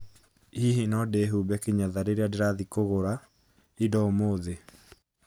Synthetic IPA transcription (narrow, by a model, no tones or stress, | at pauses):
iɦinɔdeɦubɛkeɲaðaɾeɾeadeɾaðikoɣoɾa | idɔomoðe